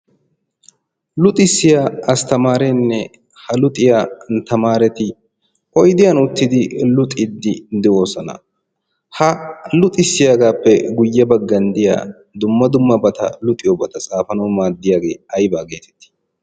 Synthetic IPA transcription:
lʊt̪ʼɪsːɪjaːɐst̪ɐmaːɾɛnːɛ | hɐlʊt̪ʼɪjaːnt̪ɐmaːɾɛt̪ɪ | ʔɔjd̪ɪjɐnʊt̪ːɪd̪ɪlʊt̪ʼɪd̪ːɪnd̪ɛwoːsɐnɐ̰ | hɐlʊt̪ʼɪsːɪjaːɡaːpːɛɡʊjːɐbɐɡːɐnd̪ɪja̰ː | d̪ʊmːɐd̪ʊmːɐbɐt̪ɐ̰lʊt̪ʼɪjɔbɐt̪ɐt͡sʼaːfɐnɐwmaːd̪ːɪjaːɡe̞ːɐjbaːɡe̞ːt̪ɛ̥t̪ːɪ̥

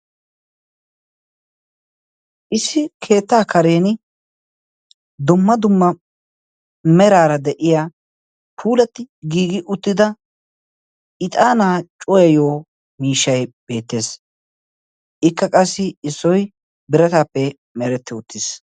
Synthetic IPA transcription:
ʔɪsːɪkʰe̞ːt̪ːaːkɐɾe̞ːnɪ | d̪ʊmːɐd̪ʊmːɐ | mɛɾaːɾɐd̪ɛʔɪjaː | pʰuːlɐt̪ːɪɡiːɡɪʔʊt̪ːɪd̪ɐ | ɪt̪ʼaːnaːt͡ʃʼɔjɐjoː | miːʃːɐjb̥e̞ːt̪ːe̞ːs | ʔɪkːɐkʼɐsːɪɪsːɔj | bɪɾɐt̪aːpːɛ | mɛɾɛt̪ːɪʊt̪ːɪs

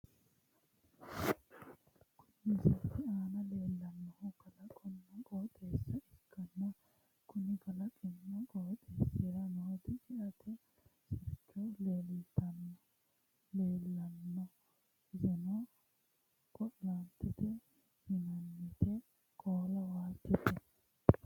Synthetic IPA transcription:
kʰʊnːɪzɐt̪ːɪaːnɐle̞ːlːɐnːɔhʊkɐlɐkʼɔnːɔkoːt̪ʼeːsːɐʔɪkːɐnːɐ | kʰʊnɪɡɐlɐkʼɪnːɔkoːt̪ʼeːsːeɾɐnɔhɔt̪ɪt͡ʃɪʔɐt̪ʰɛ | sɪɾt͡ʃːɔleːlɪt̪ːɐnːɔ | leːlːɐnːɔ | ɪzɛnɔ | kʼɔʔlɐnt̪ːɪt̪ɛ | hɪnɐnːɪt̪ɛ | kʼoːlɐwaːt̪ːɪt̪ːɛ

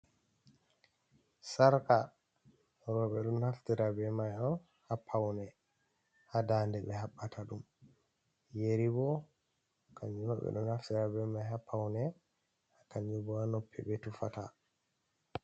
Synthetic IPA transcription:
saɾka | ɾɔɓɛɗunhaftiɾabɛmajɔn | hapʰːawnɛ | hadandɛɓɛɦaɓːatʰaɗum | jeɾibɔ | kʰaɲd͡ʒunaɓɛ̰ɗṵnhaftiɾabɛmajɦapʰːawnɛ | hakaɲd͡ʒubɔanɔpʰːɛ̰ɓɛtufata

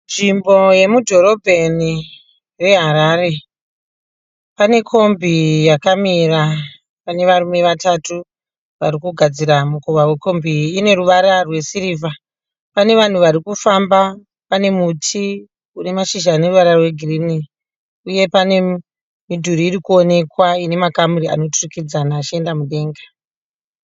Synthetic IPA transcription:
nʐimbo̞je̞mudʱo̞ɾo̞bʱe̞ni | re̞ɦaɾaːɾe̞ | pane̞kʰo̞mbʱijakamira | pane̞ʋaɾumeʋatatu | ʋaɾikuɡʱad͡ziɾamukoʋawe̞ko̞mbʱiːne̞ruʋaɾarwe̞siɾiːva | pane̞ʋan̤uʋaɾikufamba | pane̞mutʰi | une̞maʃiʒaːne̞ruʋaɾarwe̞ɡʱirini | uje̞pane̞ | midʱuɾiːɾikuo̞ne̞kwaine̞makamuɾia̰no̞turikid͡zanaːt͡ʃie̞ndamuɗe̞ːŋɡa

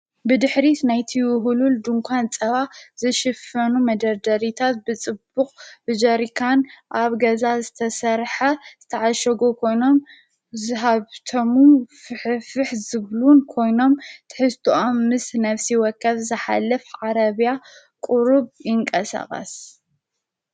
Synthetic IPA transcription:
bɨd̪ɨħɾit̪najt̪ʰiwʊɦululd̪uŋkʷʰant͡sʼɐβazɨʃɨfɐnumɐd̪ɐɾd̪ɐɾit̪ʰat̪̚bɨt͡sʼɨbːukʼb̥ɨd͡ʒɐɾikʰanʔaβɡɐzazɨt̪ʰɐsɐɾħazɨt̪ʰɐʕaʃɐɡokʰo̞jno̞m | zɨɦaβt̪ʰomufɨħfɨħzɨβlunkʰo̞jno̞mt̪ʰɨ̥ħɨst̪ʰuʔomːɨsnɐfsiwɔkʰːɐβzɨħa̰lːɐfʕaɾɐβja | kʼuɾuβjɪŋkʼɐsa̰χʼɐ̰s

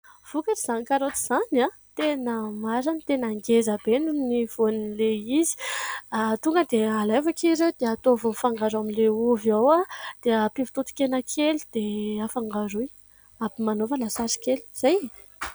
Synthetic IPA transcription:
v̥ukaɾiz̥anikaɾot̪i̥z̥ana | t̪enəmaɾanit̪enaŋɡezabenuniv̥onileizi̥at̪uŋɡəd̪ealajvakiɾewd̪̥eat̪ovonfaŋɡaɾaminleuviawad̪̥eəpivi̥t̪ut̪u̥kʲenəkʰelid̪̥eafaŋɡaɾuj | abimanofəlasaɾi̥keli̥z̥aj

